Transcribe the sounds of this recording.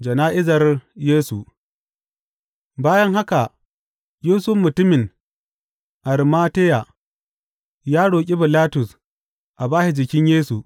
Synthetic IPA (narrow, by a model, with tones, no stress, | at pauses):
d͡ʒɐ˨naː˦ʔɪ˦zɐ˨rjeː˦su˨ʔ | baː˦jɐ˦ŋɦa˦ka˨ | juː˦sʊ˦fmʊ˨tʊ˦mɪ˨ŋ | ʔa˨ɾi˨maː˦te˦ja˨ | jaː˦ɽoː˨kʲʼi˦bɪ˨laː˦tʊ˨s | ʔa˨baː˦ʃi˨d͡ʒɪ˨kʲɪ˦ɲjeː˦su˨